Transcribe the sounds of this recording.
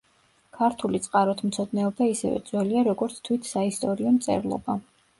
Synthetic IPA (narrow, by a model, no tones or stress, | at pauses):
kʰaɾt̪ʰulit̪sʼqʼaɾɔt̪ʰmt̪sʰɔd̪nɛɔbaisɛ̰vɛ̰d̪z̥wɛliaɾɔɡɔɾt̪sʰt̪ʰwit̪ʰsaist̪ʼɔɾiɔmt̪sʼɛ̰ɾlˠɔ̰ba